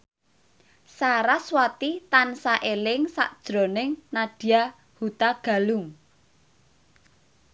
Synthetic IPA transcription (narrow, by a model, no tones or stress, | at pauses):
saɾaswat̪it̪ansaʔelɪŋsa̰ʔd̥ʒ̥ɾo̤nɪŋnaɖ̥i̤a | hut̪aɡ̥ä̤luŋ